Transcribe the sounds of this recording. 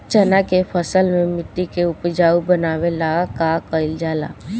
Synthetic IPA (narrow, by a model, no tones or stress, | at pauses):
t͡ʃənakepʰəsəlmẽmɪʈ̪ːikeʊpd͡ʒaːubənaːwelaɡakakəɪld͡ʒaːla̰ː